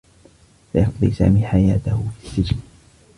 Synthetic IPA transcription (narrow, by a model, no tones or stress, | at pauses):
fajɑqd̪ˤḭsa̰ːmiːħajaːt̪ahʊfisːɪd͡ʒn